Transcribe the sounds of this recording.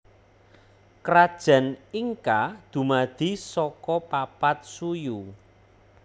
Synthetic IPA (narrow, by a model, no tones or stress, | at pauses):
kɾad̥ʒ̥ä̤niŋkad̪̥ṳmad̪̥i̤sɔkɔpapat̪̚suju